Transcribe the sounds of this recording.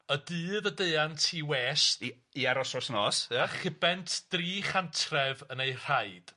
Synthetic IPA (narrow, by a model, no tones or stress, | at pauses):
ədɨːðədeɨantʰiːwɛʃ | iaɾɔsɔsnɔːsaχɪbɛntʰd̥riːχantʰrɛvənejr̥aɨd̥